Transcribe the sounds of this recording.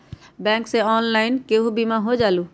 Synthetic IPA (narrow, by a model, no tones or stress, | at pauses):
bɛ̃ːŋkseɔːnlaːɪnkeɦubimaɦod͡ʒaːlu